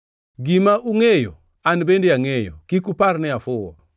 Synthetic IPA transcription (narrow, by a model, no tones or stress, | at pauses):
ɡimaʔuŋɛjɔ | anibɛndiaŋɛjɔ̰kikupaɾnɛafuwa̰